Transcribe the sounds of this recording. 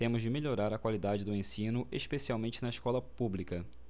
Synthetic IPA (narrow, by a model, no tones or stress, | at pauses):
t̪ẽmʊzd͡ʒɪmeʎoɾaɾɐkwalid̪ad͡ʒɪd̪ʊẽsĩnʊʔeʃpesiawmẽnt͡ʃɪnɐɪʃkɔlɐpublikɐ